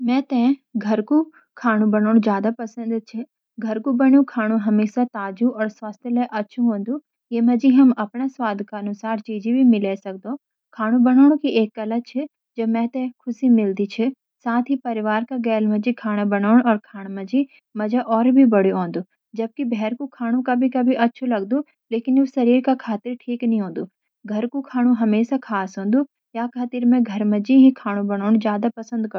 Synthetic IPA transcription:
mɛ̃ːt̪ɛ̃ɡʱɐɾku | kʰaːɽ̃ũbɐnaːɽ̃ũzjaːd̪apɐsə̃nd̪t͡ʃʰɪ | ɡʱɐɾkubɐɳjũkʰaːɽ̃ũɦɐmeːsat̪aːd͡ʒuɔːɾswaːst̪ʰjəlaʔɐtːʃʰũɦõːn̆d̪ũ | jeːmɐ̃d͡ʒiɦɐmɐpñaswaːd̪ʱkaɐnʊsaːɾt͡ʃiːd͡ʒibʱimɪlesɐk̚d̪õ | kʰaːɽ̃ũbɐɽ̃aːɽ̃õkiʔeːkːɐlat͡ʃʰɪ | d͡ʒoːmɛ̃ːt̪ɛ̃kʰʊsimɪld̪it͡ʃʰɪ | saːt̪ʰɦipɐɾɪʋaːɾkaɡɛːlmɐd͡ʒikʰaːɽ̃abɐnaːʊɳ̃ɔːɾkʰaːɽ̃mɐd͡ʒi | mɐd͡ʒʱaʔɔːɾbʱibɐɽ̤iõːnd̪oː | d͡ʒɐb̚kibʱɛːɾkokʰaːɽ̃ũkabʱikɐbʱiʔɐtːʃʰolɐɡd̪o | leːkɪnosɐɾiːɾkakʰaːt̪ɪɾʈʰiːknɐɦĩɦõːnd̪uː | ɡʱɐɾkukʰaːɽ̃ũɦɐmeːʃakʰaːsɦõːnd̪u | jakʰaːt̪iɾmẽɡʱɐɾmɐd͡ʒiɦikʰaːɽ̃ũbɐɽ̃aːʊɽ̃zjaːd̪apɐsə̃nd̪kɐɾ

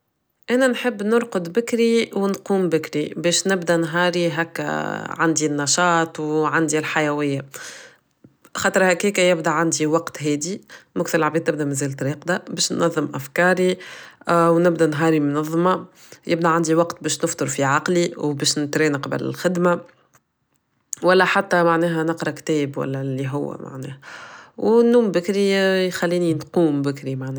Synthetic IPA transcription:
ʔænænħəbːnʊɾqʊd̪bɪkɾiwnquːmbɪkɾibɛːʃnɪbd̪ænɦɑːɾiɦækːʕand̪inːɑʃɑːt̪ˤwʕand̪ilħajæwɪjːa | xɑːt̪ˤɾˤhækːiːkæjɪbd̪aʕand̪iwɑqt̪ɦɛːd̪imʊkθɪlʕabid̪̚t̪ɪb̚d̪æmæzɛːlt̪ɾiːqd̪abɛːʃnːɑðˤːəmʔæfkɑːɾi | wnɪbd̪ænɦɑːɾimʊnɑðˤːmɑ | jɪbd̪æʕand̪iwɑqt̪bɛːʃnɪft̪ˤʊɾfiʕɑqliwbɛːʃnɪt̪ɾɛːnqɑbə̰lɪ̰lxɪd̪ma | wælːæħat̪ːæmaʕnɛːɦænɑqɾˤɑkt̪ɛːbwæ̰lːɛlːiɦʊwːæ̰ma̰ʕnɛ̰ːhæwnːuːmbɪkɾijxælːiːninquːmbɪkɾimaʕnɛː

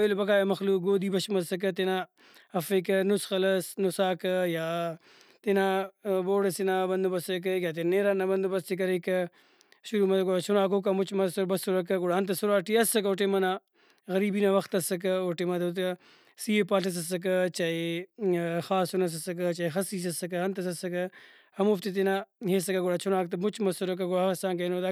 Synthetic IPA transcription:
elbɐk̬aːjɐmɐxluːk̚ɡoːd̪iːbɐʃmɐsɐk̬ɐt̪ena | ɐfɐkɐnusxɐlɐsnusaːkɐjaː | t̪enaboːɽɐsinabɐnd̪ubɐsɐk̬ɐjaːt̪̬eneːɾaːnabɐnd̪ubɐst̪ikɐɾekɐ | ʃuɾumɐt̪ɐkaʃuɾaːkok̬amut͡ʃmɐsɐbɐsuɾɐk̬ɐɡuɽaːnt̪̬ɐsuɾaːʈiɐsɐkoːʈemɐnaː | ɣɐɾiːbinaːʋɐxt̪ɐsɐk̬oʈemɐt̪ɐt̪ | siːepaːɬɐs̬ɐs̬ɐk̬ɐt͡ʃai | xaːsunɐs̬ɐsɐk̬t͡ʃaːixɐsiːs̬ɐsɐkɨɦɐnt̪ɐsɐsɐkɐ | hɐmoft̪it̪̬enaːɦeːsɐkaɡoɽaːt͡ʃʰunaːk̚t̪ɐmʊt͡ʃmɐsuɾɐk̬ɐɡoɽasãːŋk̬ɐnod̪aː

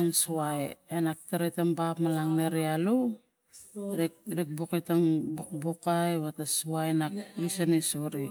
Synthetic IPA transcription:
nsuajenak̚teɾejtambapmalaŋneɾialu | ɾiɾik̚bokajtaŋbokbokajβatasuajnak̚ɾisanisoɾi

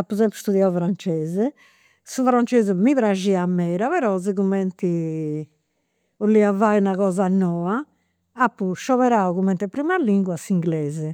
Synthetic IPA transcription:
apːuzɛmpɾust̪uðjaufɾant͡ʃɛːzɛ | sufɾant͡ʃeːzɛmiβɾaʒiamːɛːɾaβɛɾɔziɣumɛnt̪i | ulːiavainaɣɔːzanɔːa | apːuʃɔβɛɾauɣumɛnt̪ɛpɾimalːiŋɡwasiŋɡlɛːzɛ

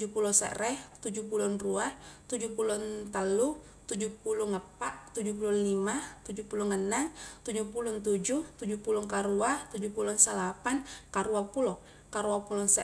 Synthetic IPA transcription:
d͡ʒupulɔsə̰ʔrɛht̪ud͡ʒupulɔnruaht̪ud͡ʒupulɔnt̪alu | t̪ud͡ʒupulʊŋəpaʔt̪ud͡ʒupulʊnlimat̪ud͡ʒupulʊŋənaŋt̪ud͡ʒupulʊnt̪ud͡ʒuht̪ud͡ʒupulʊŋkaɾuaht̪ud͡ʒupulɔnsalapankaɾuapulɔ | kaɾuapulɔnsə

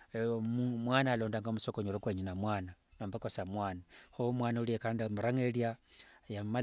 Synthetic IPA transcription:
mumwaːnaːlo̞ːndaŋɡamusokoɲoɾokweɲunamwaːnanoːmbakosamwaːnahomwaːnauliekaːndimuɾaŋeljajama

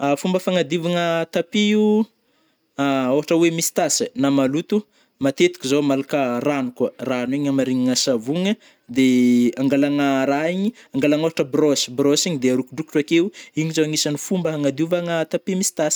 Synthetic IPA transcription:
afumbəfaŋad̪ivaŋət̪apiiu | aoɦaʈ͡ʂəwemisi̥t̪asənamalut̪u | mat̪et̪i̥kizomalakəranukwaranwiɲamaɾiɲiŋəsavuŋə | d̪eaŋɡalaŋəɾaiɲiaŋɡalaŋoɦaʈ͡ʂəbrɔsi̥brɔsiɲid̪eaɾukuɖ͡ʐuku̥ʈ͡ʂakewiɲizoŋisanifumbəɦaŋad̪iuvaŋət̪apimisi̥t̪asi̥

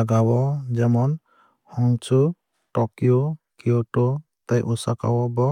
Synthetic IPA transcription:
aɡawɔd͡ʒɛmɔn | huŋt͡ʃu | ʈɔkiɔkiɔʈɔ | t̪ajʔusaka̰wɔbɔ

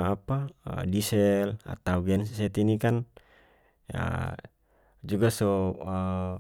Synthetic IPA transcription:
apa̰disɛla̰t̪auɡɛnssɛt̪inikan | ja̰ | d͡ʒuɡasɔə

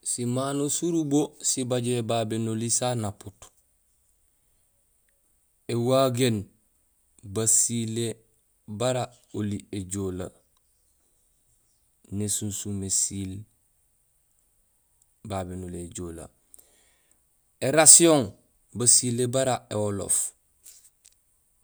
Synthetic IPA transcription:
simanosuɾubosibaɟebabenolisanaput | ewaɡen | basile | baɾa | olieɟola | nesunsumesil | babenoleːɟola̰ | eɾasioŋ | basilebaɾaewolo̰f

